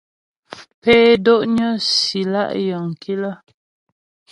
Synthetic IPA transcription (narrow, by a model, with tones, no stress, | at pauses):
pɛː˦do˦ʔɲə˦si˨la̰˦˨ʔjə˨ŋ˨ki˦lə˦